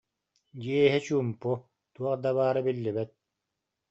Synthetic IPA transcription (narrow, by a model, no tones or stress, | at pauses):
d͡ʑiɛɦit͡ɕuːmpu | t̪uɔqd̪aβaːɾɯbilːibɛt̪̚